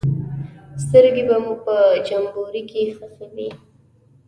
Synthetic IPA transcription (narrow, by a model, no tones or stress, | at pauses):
st̪əɾɡebamupəd͡ʒambuɾikexəxewi